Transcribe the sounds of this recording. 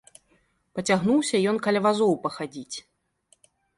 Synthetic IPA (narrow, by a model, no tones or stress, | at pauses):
pɐt͡sʲaɣnuwsʲɐjɔnkɐlʲɐvazɔwpɐxad͡zʲit͡sʲ